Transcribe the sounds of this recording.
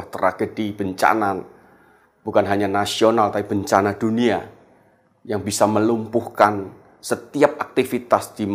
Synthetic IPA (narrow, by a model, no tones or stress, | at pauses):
ht̪əɾa̰ɡ̥ədib̥əɲt͡ʃa̰nan | b̥ukanɦaɲanasionalt̪aib̥əɲt͡ʃanad̥unia | jaŋbisaməlumpuhkan | sət̪iap̚ʔak̚t̪ifit̪asd̥im